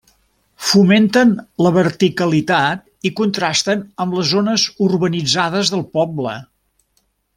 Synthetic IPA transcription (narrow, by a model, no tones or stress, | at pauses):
fument̪ənləβəɾt̪ikəlit̪at̪̚ | ikunt̪ɾast̪ənəmləzonəzurβənid͡zað̞əzðəlˠpɔblə̰